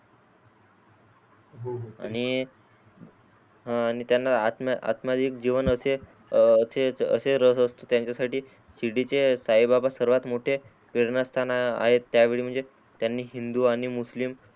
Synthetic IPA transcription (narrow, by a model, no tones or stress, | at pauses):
a̰ɽ̃i | ɦaaɽ̃it̪janːaat̪ma̰t̪mad̪ik̚d͡ʑiʋənəse | seə̰seɾəsəst̪ot̪jaɲt͡ɕjasaʈiː | siɽit͡ɕesaibabasəɾʋat̪moʈʰe | piɾnast̪ʰana̰ɦet̪ːjaʋeɭiːm̤əɳd͡ze | t̪janːiːɦind̪uaɽ̃imuslim